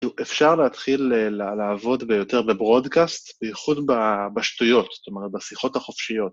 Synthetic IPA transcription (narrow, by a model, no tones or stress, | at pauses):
uʔefʃaʁleat̪χilelalaːvo̞dbejo̞te̞ʁbebʁo̞dkast̪beiχudbabaʃtujo̞t̪st̪o̞meʁet̚basiχo̞thaχo̞fʃijo̞t̪